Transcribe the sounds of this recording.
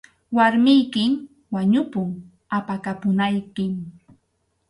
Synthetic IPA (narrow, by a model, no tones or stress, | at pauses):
waɾmɪjkɪm | waɲʊpʊŋ | apakapʊnajkɪm